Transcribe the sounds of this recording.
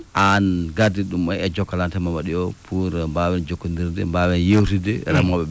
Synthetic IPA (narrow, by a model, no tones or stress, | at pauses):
ʔanɡadiɗumɔɛd͡ʒɔkːalantɛmawaɗiɔpʰuɾmbawɛnd͡ʒokːundiɾdɛmbawɛnjewtidɛɾamɔɓɛ